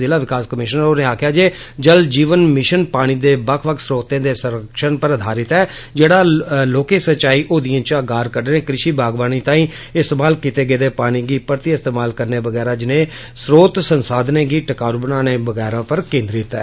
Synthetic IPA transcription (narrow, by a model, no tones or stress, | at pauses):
zɪlaːʋɪkaːskəmɪʃnəɾoːnẽːaːkʰjaːd͡ʒeːd͡ʒəld͡ʒiːʋənmɪʃənpaːɽ̃iːd̪eːbəkʰʋəkʰsɾoːt̪ẽːd̪eːsəɾəkʃənpəɾəd̪ʱaːɾɪt̪ɛːd͡ʒeːɽaːloːkeːsət͡ʃaːiːʔoːd̪ijãːt͡ʃəɡaːɾkəɾɖənẽːkɾɪʃiːbaːɡʋaːniːt̪ãːĩːɪst̪eːmaːlkit̪eːɡeːd̪eːpaːɽ̃iːɡiːpəɾt̪iɪst̪eːmaːlkəɾneːʋəɡɛːɾaːd͡ʒɪnẽː | sɾoːt̪sənsaːd̪nẽːɡiːʈəkaːɾubənaːneːbəɡɛːɾãːpəɾkẽːnd̪ɾɪt̪ɛː